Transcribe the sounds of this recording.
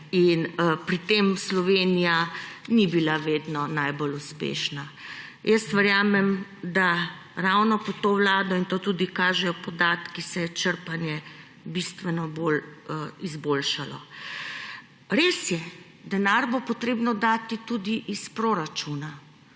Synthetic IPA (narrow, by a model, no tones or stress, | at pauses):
inpɾit̪emslɔʋeːnijanibilaʋeːd̪nɔnajboluspḛːʃnajəst̪ʋəɾjaːmɛmd̪a | ɾawnɔpɔt̪oːwlaːd̪ɔint̪oːt̪uːd̪ikaːʒɛjɔpɔd̪aːt̪kisɛjɛt͡ʃəɾpanjɛ | bist̪ʋɛnɔboːlizbolʃalɔ̰ | ɾeːsjɛ | d̪ɛnaɾbopɔt̪ɾeːbnɔd̪aːt̪it̪uːd̪iʔispɾoɾat͡ʃuːna